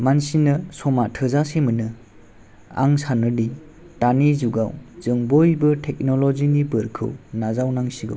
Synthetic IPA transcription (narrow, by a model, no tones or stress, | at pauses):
mansinɯsɔmatʰɯzasemɯnɯ | a̰ŋsanɯdi | tanizuɡa̰wz̥ɯŋbojbɯtʰek̚nɔlɔziŋibɯɾkʰɯ̰wnazawnaŋsiɡɯ̰w